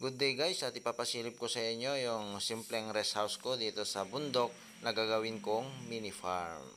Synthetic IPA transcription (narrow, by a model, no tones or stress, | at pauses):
ɡʊd̪̚ːɛjɡajsʔɐt̪ɪpaːpɐsiːlɪp̚kosɐʔɪɲjo̞jʊŋsimplɛŋɾɛshawskod̪iːt̪o̞sɐbʊnd̪ok̚ | nɐɡaɡɐwɪnkoŋminɪfaɹm